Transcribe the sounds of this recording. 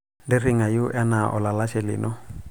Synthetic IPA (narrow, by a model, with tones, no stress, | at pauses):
dɪ˦rɪ˦ŋa˨jʊ˦ʔa˦na˨ʔɔ̰˨la˨la˦ʃɛ˨lɪ̰˨nɔ˦